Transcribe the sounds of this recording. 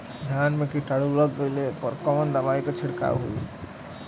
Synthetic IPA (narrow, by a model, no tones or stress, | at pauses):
d̪ʱjanmekiʈaɽuləɡːeɪlepəɾkɔmənd̪əbaiket͡ʃʰiɽka̰ɦṵi